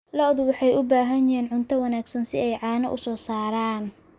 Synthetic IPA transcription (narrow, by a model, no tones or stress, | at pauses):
lɔðʊwɑħɑjʊbaːɦɐɲɪɦɛːnʕʊnt̪ʰɐwɑnaːɡsɐnsɪɛjʕɑːnɐʔʊsɔːsaːɾaːn